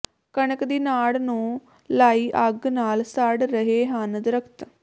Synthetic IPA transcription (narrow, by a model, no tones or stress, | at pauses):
kəɳəkd̪iːnaːɽnũː | laːiːʔəɡnaːlsəɖɾəɦeːɦənd̪ɾəkʰt̪